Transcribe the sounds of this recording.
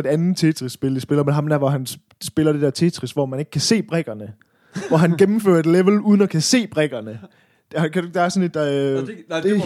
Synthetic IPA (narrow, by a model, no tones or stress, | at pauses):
e̝d̥ænð̩ˠt͡sʰe̝t͡sʰʁissːb̥e̝lisb̥e̝lɐmeɦɑ̈md̥æɐʋɒɦæn | sb̥e̝lɐd̥e̝d̥ɛɐt͡sʰe̝t͡sʰʁisʋɒmæne̝ɡ̥əkʰæse̝̰ːb̥ʁɛɡ̥ɐnə | ʋɒɦænɡ̥emm̩fø̰ːɐe̝d̥leʋl̩uð̞ˠn̩ɒkʰæse̝̰ːb̥ʁɛɡ̥ɐnə | d̥hkʰædueɡ̥̚d̥eæɐsɔ̽ne̝d̥